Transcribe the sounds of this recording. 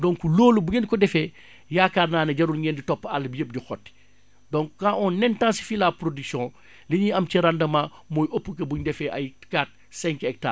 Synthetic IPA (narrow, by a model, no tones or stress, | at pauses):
dɔŋkuloːlubuɲenkɔdɛfɛ | jakaːrnaːnɐɟɐɾulɲenditɔpːɐlbijəp̚dixɔtː | dɔŋkaʔɔnːɛntãnsi̥filaːpɾodiksjɔ̃ː | liɲiɐmciɾandɐmaː | mɔːjʔopːukɐbuɲdɛfɛʔɐjkaːt̚ | sɛŋkɛk̚ta̰ː